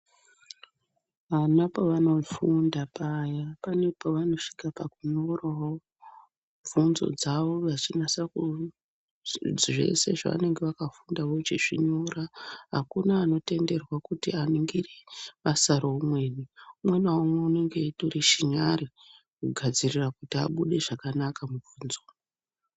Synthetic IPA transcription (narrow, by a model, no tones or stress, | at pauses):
ʋanapoʋano̞fundapajapane̞poʋano̞ʂi̥kapakuɲorawo | ɱvunzo̞̰d͡zaʋo̞ʋat͡ʃinasaku | d͡zʐe̞̰se̞ʐa̰ʋa̰ne̞ŋɡeʋakafundaʋo̞t͡ʃḛʐiɲoraɦakunaːno̞te̞nde̞rwakutianiŋɡireʋasaɾoumwe̞ːniumwenawomweune̞ŋɡe̞toɾiʃiɲaɾi | kuɡʱad͡zirirakutia̰ɓuɗe̞ʐakanakamuvuːnzo̞